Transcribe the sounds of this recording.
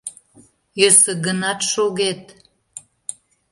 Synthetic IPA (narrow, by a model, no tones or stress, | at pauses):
jøsə̆ɡənɑt̪ʃoɣet̪